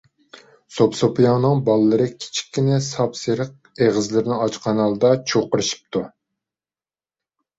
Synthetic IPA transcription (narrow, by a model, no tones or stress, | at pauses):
sopsopijɑŋnɨŋbɑlˠːɨɾɨkʲʰi̥t͡ʃʰi̥kʲʰːinɛsɑpseɾəq̚eʁəzlɪɾɪnɪɑt͡ʃqʰɑnɑlˠd̪ɑt͡ʃʰoqɨɾɨʃi̥p̚t̪ʰu